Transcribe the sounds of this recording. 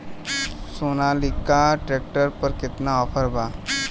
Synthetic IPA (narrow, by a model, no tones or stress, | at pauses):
soːnalɪkaʈɾeːk̚ʈəɾpəɾkɪt̪naɔpʰəɾbaː